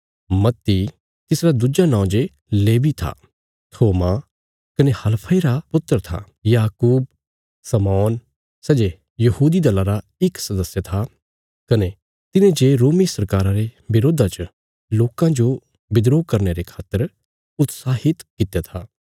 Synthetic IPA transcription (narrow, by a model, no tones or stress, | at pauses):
mɐt̪ːi | t̪ɪsɾad̪ud͡ʒanãʊ̃d͡ʒe | leːʋit̪ʰa̰ | t̪ʰoːma | kɐnehɐlpʰəiɾapʊt̪ːəɾt̪ʰa̰ | jaːkuːb̚ | sɐmɔːn | sɛːd͡ʒe | jɐhuːd̪id̪ɐlaɾa | ɪksɐd̪əsjət̪ʰa | kɐne | t̪ɪnẽd͡ʒeːɾoːmisɐɾkaːɾãɾebɪɾoːd̪ʱat͡ʃə | loːkãd͡ʒo | bɪd̪ɾoːkɐɾneɾekʰaːt̪ːəɾ | ʊt̪saːɦɪt̪kɪt̪jat̪ʰaː